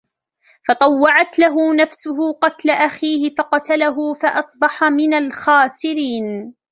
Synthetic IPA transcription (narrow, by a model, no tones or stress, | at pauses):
fɑt̪ˤɑwːɑʕat̪laɦʊnafsʊɦʊqɑt̪laʔaxiːhɪfɑqɑt̪alaɦʊfaʔɑsˤbɑħamɪnalxaːsɪɾiːn